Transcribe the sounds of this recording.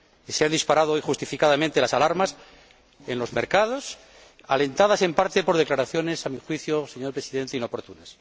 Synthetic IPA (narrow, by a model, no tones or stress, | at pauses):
iseand̪ispaɾað̞oojxust̪ifikaðamẽnt̪e̞lasalaɾmas | enlo̞zme̞ɾkað̞o̞s | ale̞nt̪aðase̞mpaɾt̪e̞po̞ɾð̞eklaɾaθjo̞ne̞samixwiθjoseɲo̞ɾpɾe̞siðe̞nt̪eino̞po̞ɾt̪unas